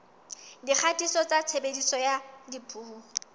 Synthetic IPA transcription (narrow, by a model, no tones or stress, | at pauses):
dik͡xʰatʼisɔt͡sʼat͡sʰebedisɔjadipʰʼuːhu